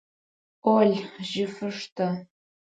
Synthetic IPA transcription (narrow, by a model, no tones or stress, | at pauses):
oɮʲʒɪfɨʂtʰa